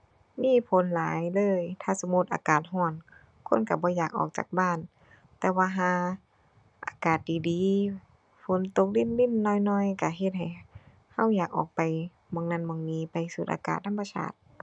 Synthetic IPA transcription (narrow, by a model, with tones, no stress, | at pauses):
miː˧˥˨pʰo˨˦nlaː˨˦jlɤː˧˨jt̪ʰaː˧˥˨so˧˦mu˧˦t̪̚ʔa̰ː˨˧˨kaː˨˩t̪̚ɦɔː˧˩n | kʰo˧˥˨nka˧˩bɔː˧˦jaː˨˩k̚ʔɔ̰ː˨˩k̚t͡ɕa̰ː˨˩k̚baː˧˥˨n | t̪ɛː˧waː˧ɦaː˧˦ | ʔa̰ː˨˧kaː˨˩t̪̚diː˨˩diː˨˦ | fʰo˨˦nt̪o˧k̚li˧˥˨nli˧˥˨nːɔː˧˥˨jnɔː˧˩˨jka˧˩ɦe˧t̪̚ɦa˨˩j | ha˧˩˨wjaː˨˩k̚ʔɔ̰ː˨˩k̚pa˨j | mɔː˧˦ŋna˧˥˨nmɔː˧˦ŋniː˧˥˨pa˨jsu˧t̪ʔa̰˧ka̰ː˨t̪̚ʰːa˧˥˨mpa˧sa̰ː˧˩t̪̚